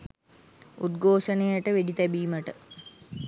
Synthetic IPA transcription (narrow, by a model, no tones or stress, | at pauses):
ud̪ɡʱoːʂənejəʈəʋeɖit̪æbiːməʈə